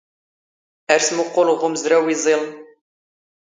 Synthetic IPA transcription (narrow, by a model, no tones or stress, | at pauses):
æɾsmuqʷːʊlʁʊmzɾɐwizˤil